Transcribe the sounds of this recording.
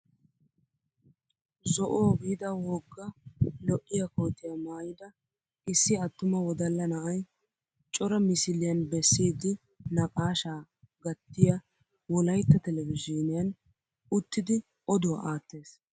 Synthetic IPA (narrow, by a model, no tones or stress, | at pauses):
zɔʔoːɡijd̪ɐwɔɡːɐlɔʔːɪjɐkoːt̪ɪjɐmaːjɪd̪ɐ | ɪsːɪɐt̪ːʊmɐwɔd̪ɐlːɐnɐʔɐj | t͡ʃʼɔɾɐmɪsɪlɪjɐnbɛsːiːd̪ːɪ | nɐkʼaːʃaː | ɡɐt̪ːɪjɐ | wɔlɐjt̪ːɐt̪ɛlɛvɪd͡ʒɔnɪjɐn | ʊt̪ːɪd̪ɪ | ɔd̪ʊwɐ̰ʔaːt̪ːe̞ːs